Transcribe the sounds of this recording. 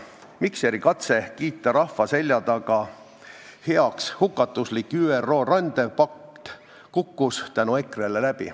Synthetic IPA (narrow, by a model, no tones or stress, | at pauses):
mikseɾikɑt̪se̞kiːt̪ːˑɑɾɑfːɑse̞lʲjɑd̪̥ɑɡ̥ɑ | he̞ɑkshukːˑɑt̪ːˑuslikːˑyːero̞ːrɑnd̪̥e̞pɑk̚t̪ | kukːust̪ænue̞krelelæb̥ḭ